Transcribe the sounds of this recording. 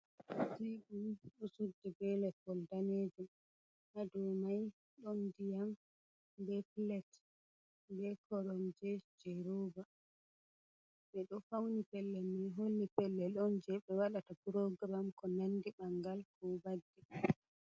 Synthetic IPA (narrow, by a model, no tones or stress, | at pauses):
siɗuɗusudːɛbɛlɛpɔldaned͡ʒum | hadɔwmaj | ɗɔndijam | bɛplɛt | bɛkɔɾɔmd͡ʒɛd͡ʒɛɾoːba | ɓɛɗɔfawnipɛlːɛminɦolːipɛlːɛɗɔnd͡ʒɛɓɛwaɗatapɾɔɡɾamkɔnandiɓaŋɡalkɔbadːi